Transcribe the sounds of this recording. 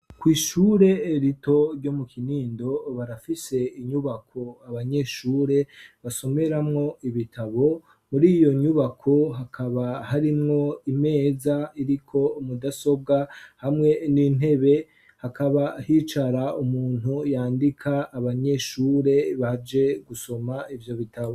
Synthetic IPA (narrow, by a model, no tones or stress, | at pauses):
kwiːʃuːɾe̞ɾito̞ɾɟo̞mukʰiniːndo̞βaɾafise̞iɲuβakʰo̞aβaɲe̞ʃuːɾe̞βaso̞me̞ɾamŋo̞iβitʰaβo̞ | muɾijo̞ɲuβakʰo̞ɦakʰaβahaɾimŋo̞ime̞ːzaiɾikʰo̞mudaso̞bɡahamŋe̞nin̥ɦe̞βe̞ | hakaβahit͡ʃaɾaumuːn̥ujaːndikʰaːβaɲe̞ʃuːɾe̞βad͡ʒe̞ɡuso̞maivjo̞βitʰaβo